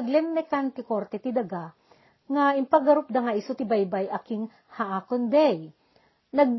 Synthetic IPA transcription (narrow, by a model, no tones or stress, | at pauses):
ɐɡlɛnmɛkant̪ɪkoɾt̪ɛt̪ɪd̪ɐɡa | ŋaɪmpɐɡɐɾop̚d̪ɐŋaʔisʊt̪ɪbajbajʔɐkɪŋ | haʔaːkonb̪ɛj | nɐɡ̚